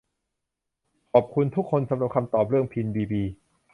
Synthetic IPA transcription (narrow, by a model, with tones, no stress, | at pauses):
kʰɔː˨˩p̚kʰu˧nt̪ʰu˦˥kʰːo˧nsa˧˦mɾa˨˩p̚kʰa˧mt̪ɔː˨˩p̚ɾɯ˥˩əŋpʰi˧nbiː˧biː˧